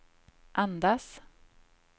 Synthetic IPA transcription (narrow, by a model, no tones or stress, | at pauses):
ʔand̪as